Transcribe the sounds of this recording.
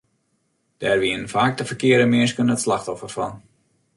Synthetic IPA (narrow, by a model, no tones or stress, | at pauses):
d̥ɛrʋiənfaːk̚təfərkɪəɾəmɪəskənətslaxtɔfərfɔn